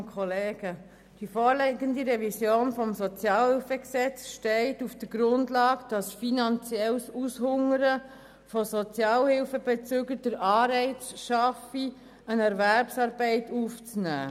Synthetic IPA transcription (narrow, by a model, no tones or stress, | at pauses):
kʰχɔleːɡ̥ə | d̥ifɔːɾlɛɡəndiɾɛvisjoːnfɔmsɔt͡sjɑːlhɪlfəksɛt͡sʃtɛɪtufd̥əɾɡɾʊndlɑːɡd̥ɑsfinɑnt͡sjɛlsushʊŋəɾə | fɔsɔt͡sjɑːlhɪlfəbɛt͡søɡəd̥əɾʔɑːɾɛɪt͡sʃɑfi | ənɛɾvæɾpsɑːɾbɛɪtʰuft͡snæ̰ː